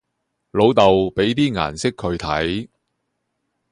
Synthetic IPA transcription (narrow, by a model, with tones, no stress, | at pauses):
lo˨˧wt̪ɐ˨wpe˨˥jt̪iː˥ŋa̰ː˨˩nsɪ˥kʰɵ˨˧ɥt̪ʰɐ˨˥j